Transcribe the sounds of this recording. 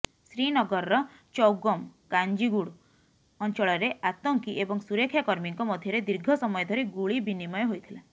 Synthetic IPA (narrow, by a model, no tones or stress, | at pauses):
sɾinɔɡɔɾɔɾɔ | t͡ʃɔwɡɔmkaɲd͡ʒiɡuɽ | ɔnt͡ʃɔɭɔɾeʔat̪ɔŋkiʔebɔŋsuɾekʰjakɔɾmiŋkɔmɔd̪ʱjɔɾed̪iɾɡʱɔsɔmɔjɔd̪ʱɔɾiɡuɭibinimɔjɔɦojt̪ʰile